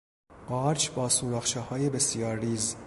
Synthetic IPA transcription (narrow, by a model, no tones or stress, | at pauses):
ɢ̥ɒːɾt͡ʃʰbɒːsuːɾɒːxʃehɒːjebesijɒːɾːiːz